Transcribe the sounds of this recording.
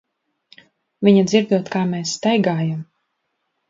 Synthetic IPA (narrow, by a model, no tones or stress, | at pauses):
vʲiɲad̪ziɾd̪uɔt̪kaːmɛːsːt̪ajɡaːjam